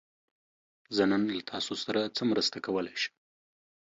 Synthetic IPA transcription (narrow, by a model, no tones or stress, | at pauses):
zənɑnlat̪ʰɑsosaɾat͡səmɾəst̪akawəlajʃə̥